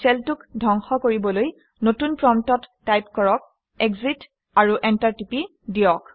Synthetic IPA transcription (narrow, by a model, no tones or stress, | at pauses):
sɛltukdʱɔŋxɔkoɹibɔloj | notunpɹɔmtɔtːajpkɔɹɔk̚ | ɛɡzit | aɹuʔɛntaɹtipi | dijɔk